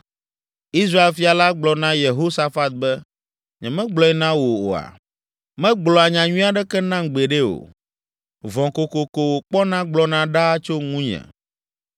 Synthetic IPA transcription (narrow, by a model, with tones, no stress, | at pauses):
i˦s̬ɾa˦e˦lfi˨˦a˨la˦ɡ͡blɔ˨nã˦je˨ɦo˦sa˨fa˦t̪̚bɛ˦ | ɲɛ̰̃˨mɛ̃˦ɡ͡blɔ˨˦ɛ˦nã˦wo˨o̰˨a̰˨ | mɛ̃˦ɡ͡blɔ˨a˨ɲã˨ɲũ˦a˦ɖɛ˦kɛ˦nã˦ŋɡ͡be˨ɖe˦o̰˨ | vɔ̃˨ko˨ko˨ko˨wo˨k͡pɔ˦nã˦ɡ͡blɔ˦nã˦ɖa˦t͡ʃo˦ŋũ˦ɲɛ̰̃˨